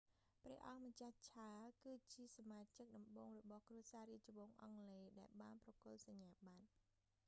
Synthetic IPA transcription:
prɛ̆əʔɑŋmət͡ɕaht͡ɕʰaəlkɨːt͡ɕiəsamaːt͡ɕək̚ɗɑmɓoːŋrɔɓɑhkruəsaːɾiəc̚t͡ɕoʋoːŋʔɑŋleːɗaɛlɓaːnprɑkʊ̆əlsɑɲːaːɓat̪̚

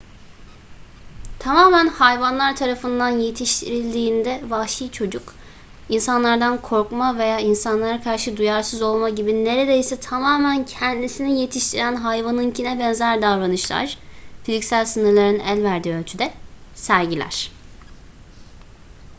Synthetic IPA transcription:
t̪ʰamaːmænhajvanlˠaɾt̪ʰaɾafɯnd̪anje̞t̪ʰiʃt̪ʰiɾilʲd̪iːnd̪ɛvahʃiːt͡ʃʰo̞d͡ʒuk | insanlˠaɾd̪ankʰo̞ɾkmave̞jaːinsanlˠaɾakʰaɾʃɯd̪ujaɾsɯzo̞lˠmaɟibine̞ɾe̞d̪e̞jsɛt̪ʰamaːmæncʰɛnd̪isinije̞t̪ʰiʃt̪ʰiɾænɦajvanɯncʰinɛbɛnzæɾd̪avɾanɯʃlˠa̰ɾ̥fizicsælʲsɯnɯɾlˠaɾɯnɯælʲvæɾd̪iːølʲt͡ʃʰyd̪ɛsæɾɟilʲæ̰ɾ̥

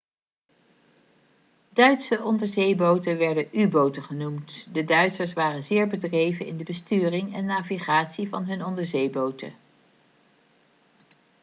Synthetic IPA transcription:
dœɥtsəʔɔndəɹzejbowtənʋɛɹdəʔybowtəχənumtdədœɥtsəɹsʋaːrənzɪːɹbədrejvənɪndəbəstyːrɪŋɛnːaːviχaːtsivɑnɦɵnɔndəɹzejbowtə̰

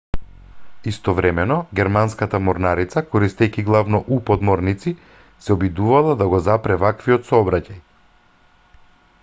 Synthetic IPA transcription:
ist̪ɔvɾɛmɛnɔɡʲɛɾmanskat̪amɔɾnaɾit̪sakɔɾist̪ɛjkʲiɡlˠavnɔʔupɔd̪mɔɾnit̪si | sɛɔbid̪uvalˠad̪aɡɔzapɾɛvakviɔt̪sɔbɾacaj

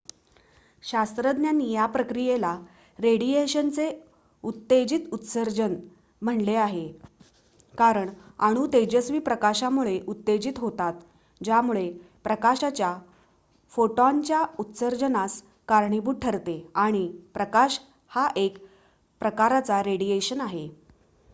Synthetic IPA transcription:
ɕast̪ɾəd̪njanijapɾəkɾijela | ɾeɽieɕənt͡se | ut̪ːed͡ʑit̪ut̪səɾd͡ʑən | m̤əɳleaɦe | kaɾəɳaɽ̃uːt̪ed͡ʑəsʋiːpɾəkaɕamuɭeʔut̪ːed͡ʑit̪ɦot̪at̪ | d͡ʑamuɭe | pɾəkaɕat͡ɕja | foʈoaɲt͡ɕjaut̪səɾd͡ʑənas | kaɾɳibuːʈ̚ʈʰəɾt̪eaɽ̃ipɾəkaɕ | haʔek | pɾəkaɾat͡saɾeɽijeɕənaɦe

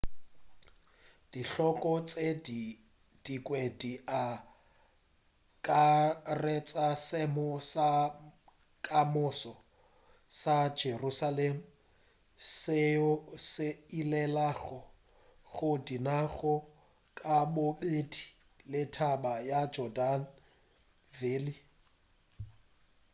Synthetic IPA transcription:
d̥iɬɔkʼɔt͡sʼedi | d̥ikʼwedia | kʼaret͡sʼasɪmʊsa | kʼamʊsɔ | sad͡ʒerusalemu | sɪsɪilɛlaɣɔ | ɣʊdinaɣɔ | kʼaboɓedi | lɪtʰabajad͡ʒɔdan̩ | veːli

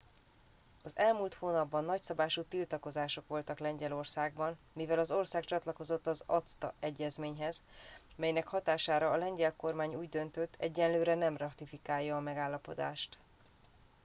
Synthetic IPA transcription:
ɒzɛlmuːlt̪hoːnɒbːɒnːɒcsɒbaːʃut̪ilt̪ɒko̞zaːʃo̞kʋo̞lt̪ɒklɛɲɟɛlo̞rsaːɡbɒn | mivɛlɒzo̞rsaːkt͡ʃɒt̪lɒko̞zo̞t̪ːɒzɒt̪st̪ɒ̰ɛɟːɛzmeːɲɦɛz | mɛjnɛkhɒt̪aːʃaːɾɒːlɛɲɟɛlko̞rmaːɲuːɟd̪ø̞nt̪ø̞t̪ʰːɛ̰ɟːɛnløːɾɛnɛmrɒt̪ifikaːjːɒːmɛɡaːlːɒpo̞d̪a̰ːʃt̪

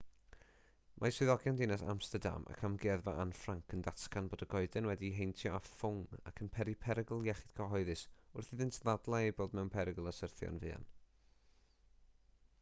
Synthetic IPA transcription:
mʔaswɪðɔɡjandɪnasa̰mstərda̰mʔa̰kʰamɡiɛðva̰ʔanfraŋkʰəndatkanboːdəɡɔɨdɛnwɛdiɦejntʰjɔafʊŋa̰kʰənpʰɛɾipʰɛɾəɡlˠjɛχɪɨd̥kʰɔɦɔɨðɨsʊrθiðɪntʰðadlˠaejboːdmɛwnpʰɛɾəɡəlˠasərθjɔ̰nvɨːa̰n

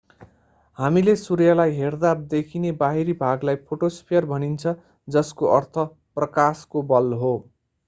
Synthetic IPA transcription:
hamilesurjalajɦerd̪ad̪ekʰinebaɦiɾibʱaɡlajpʰoʈospʰjʌrbʱʌnint͡sʰʌ | d͡zʌskoʔʌrt̪ʰʌ | prʌkaskobʌlɦo

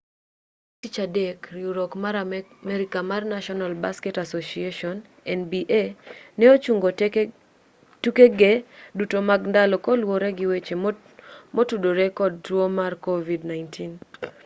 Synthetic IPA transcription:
tit͡ʃadekɾiuɾɔkmaɾamɛɾikamarnaʃɔnalbaskɛtasosieʃɔn | ɛnbiʔenɛot͡ʃuŋɡo | tukeɡedutomaɡndalɔkɔlwoɾeɡɪwet͡ʃe | motudoɾekɔd̚twomarkovidnajntʰin

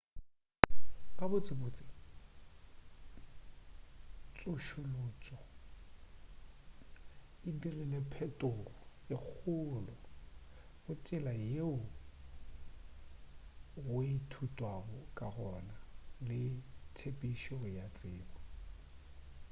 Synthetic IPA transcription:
kabʊt͡sʼɪbʊːt͡sʼɪ̥ | t͡sʼʊʃʊlʊːt͡sʼɔ | ɪdirɪnɛpʰɛtʼʊrɔɪk͡xʰʊlɔ | ɣʊt͡ʃʼɪlajeʊ | witʰutʼwabɔkʼarɔnalɪtʰepʼiʃɔʊjat͡sʼɪːbɔ

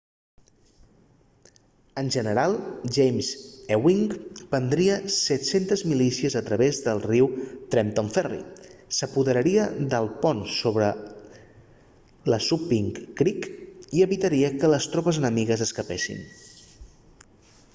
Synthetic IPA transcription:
ənʲʒənəɾalˠʒejmzewiŋkbənd̪ɾiəsɛt̪sent̪əzmilisiəzət̪ɾəβezðəlˠriwt̪ɾɛnt̪oɱfɛrḭsəpuðəɾəɾiəd̪əlˠpɔnsoβɾə | ləsupiŋkːɾikiəβit̪əɾiəkələst̪ɾɔpəzənəmiɣəzəskəpesḭn

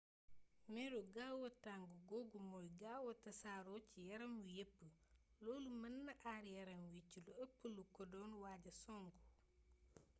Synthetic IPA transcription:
mɛɾuɡawɐtaŋɡuɡoːɡumɔjɡaːwɐtɐsaːɾocijɐɾɐmwujepːəloːlumɐnːɐʔaɾjɐɾɐmwiciluɐpːəlukɔdɔːnwaːɟɐsɔŋɡu

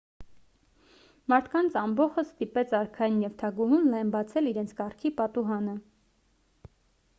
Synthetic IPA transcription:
mɑɾt̪ʰkɑnt͡sʰɑmbɔχəst̪ipɛt͡sʰɑɾkʰɑjinjɛvt̪ʰɑɡuɦunlɑjɛmbɑt͡sʰɛliɾɛnt͡sʰkɑrkʰipɑt̪uɦɑnə

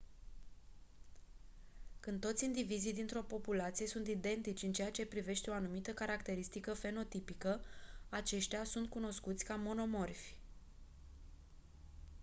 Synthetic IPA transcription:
kɨnd̪t̪o̞t̪sʲind̪ivizijd̪int̪ɾo̞po̞pulat̪sije̞sunt̪id̪e̞nt̪it͡ʃʲɨnt͡ʃejat͡ʃe̞pɾive̞ʃt̪e̞o̞anumit̪əkaɾakt̪e̞ɾist̪ikəfe̞no̞t̪ipikəat͡ʃe̞ʃt̪easunt̪̚kuno̞skut̪sʲkamo̞no̞mo̞rfʲ

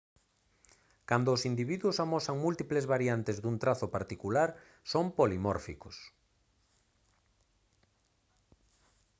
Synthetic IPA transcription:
kand̪ʊːsind̪iβiðwʊsamɔsaŋmult̪iplezβaɾjant̪ezðunt̪ɾaθʊpaɾt̪ikulaɾ | sompolimɔɾfikʊs

